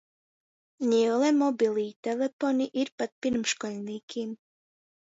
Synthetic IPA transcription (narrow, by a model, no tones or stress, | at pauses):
ɲʲilˠɛmɔbilˠiːt̪ɛlefoniʔiɾpat̪̚pʲiɾmʃkɔlʲniːkʰʲim